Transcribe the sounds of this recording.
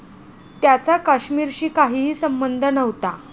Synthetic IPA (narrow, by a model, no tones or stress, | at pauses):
t̪jat͡sakaɕmiːɾɕiːkaɦiːɦiːsəmbənd̪ʱənəʋt̪a